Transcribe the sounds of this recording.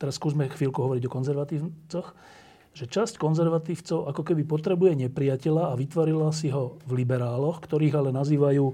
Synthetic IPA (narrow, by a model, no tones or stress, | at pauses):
t̪ɛɾasːkuːzmɛxʋiːlkuɦɔʋɔɾiɟɔkɔnzɛɾʋat̪iːt͡sɔx | ʒɛt͡ʃasckɔnzɛɾʋat̪iːʊt͡sɔʊʔakɔkɛbipɔt̪ɾɛbujɛɲɛpɾiacɛʎaːʋit̪ʋɔɾilasiɦɔvlibɛɾaːlɔxkt̪ɔɾiːɣalɛnaziːʋajuː